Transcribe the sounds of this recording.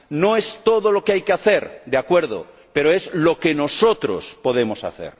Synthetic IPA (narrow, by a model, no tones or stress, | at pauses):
noest̪oðolokeajkeaθeɾd̪eakweɾð̞o̰ | pe̞ɾoezlokeno̞sot̪ɾo̰spoðe̞mosa̰θḛɾ